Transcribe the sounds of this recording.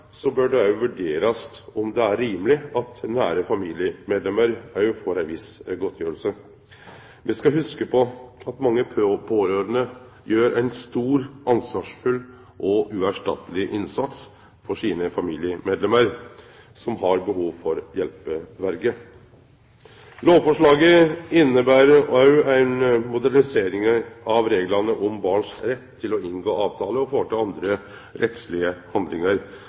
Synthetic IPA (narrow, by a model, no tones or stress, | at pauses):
sɔbœɖɛɑʉʋʉɖeːɾɑstɔmd̪ɛæɾːiːməlɪɑt̪næːɾəfɑmiːlɪəmeːd̪lɛməɾɑʉfoːɾænʋɪsɡɔt̪ʰːjøːɾəlsə | ʋɪskɑhʉskəpʰɔɑt̪mɑŋːəpʰoːɾøːɾənə | jøːɾʔæɪnst̪uːɾʔɑnsʋɑːʂfʉl | ʔɔʔʉæʂʈɑ̰t̪əlɪʔɪnsɑt̪s | fɔʂiːnəfɑmiːlɪəmeːd̪lɛməɾ | sɔmɦɑɾbəɦuːʋfɔɾjɛlpəʋæɾɡə | loːʋfɔʂɭɑːɡəɪnːəbæːɾəɑʉæɪnmʊd̪æɾɳɪseːɾɪŋɑʋɾeːɡlɑnəʔɔmbɑːɳʂɾɛt̪ʰːɪlɔɪŋɡoːɑːʋt̪ʰɑːləɔfoːʈɑlɑnd̪ɾə | ɾʔɛt̪slɪəhɑnd̪lɪŋəɾ